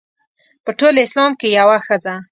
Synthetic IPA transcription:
pəʈolɪslɑmkejawaxəza

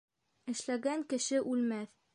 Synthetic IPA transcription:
ɘ̆ʃlæɡæŋkɘ̆ʃɘʔʉlmæθ

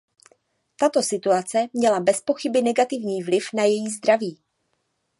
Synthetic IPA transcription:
t̪at̪o̞sɪt̪uat͡sɛmɲɛlabɛspo̞xɪbɪnɛɡat̪ɪvɲiːvlɪfnajɛjiːzd̪ɾaviː

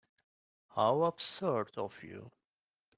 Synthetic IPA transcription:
haʊəb̥sɜ˞dɔvjṵ

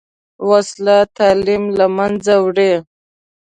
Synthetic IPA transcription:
waslat̪alimlamand͡zawɽe

